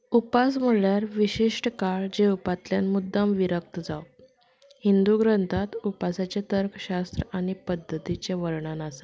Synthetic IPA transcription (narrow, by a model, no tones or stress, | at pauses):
upasm̤əɭjaɾʋiɕiʂʈkaɭd͡ʑepat̪ljanmud̪ːamʋiɾək̚t̪d͡zaw | hind̪uɡɾənt̪ʰat̪upasat͡ɕet̪əɾkɕast̪ɾəaɽ̃ipəd̪ːət̪it͡ɕeʋəɾɳanasə